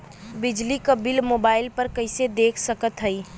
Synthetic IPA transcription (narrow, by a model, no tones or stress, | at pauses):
bɪd͡ʒlikəbilmoːbaːɪlpəɾkəɪsed̪eːkʰsəkət̪ɦəi